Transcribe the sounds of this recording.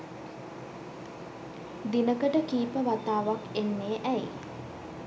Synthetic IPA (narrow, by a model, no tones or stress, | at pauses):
d̪inəkəʈəkiːpəʋat̪aːʋakenːeːʔæj